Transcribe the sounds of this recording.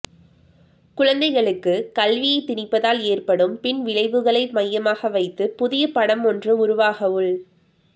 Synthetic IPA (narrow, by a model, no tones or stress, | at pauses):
kʊɻɐnd̪ɐɪɣɐɭɯkːɯkɐlʋɪjɐɪt̪ːɪnɪpːɐðaːleːrpɐɽɯmpɪnʋɪɭɐɪʋɯɣɐɭɐɪmɐjːɐmaːɣɐʋɐɪt̪ːɯpʊðɪjɐpɐɽɐmɔndrɯʊɾʊʋaːɣɐʋɯɭ